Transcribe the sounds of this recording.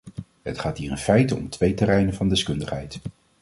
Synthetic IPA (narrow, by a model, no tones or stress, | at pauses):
ɦə̰tχaːtɦiːrənfɛjtəɔ̰mtʋejtəɾɛjnənvɑndɛskɵndəχɦɛjt